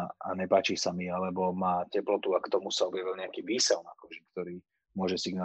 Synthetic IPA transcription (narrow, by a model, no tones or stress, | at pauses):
a̰ɲɛpaːt͡ʃisamialɛbɔmaːcɛplɔt̪uakt̪ɔmusaɔbjaʋilɲɛakiːʋiːsɛlna̰kɔʒik̚t̪ɔɾiː | mʊɔʒɛsiɡna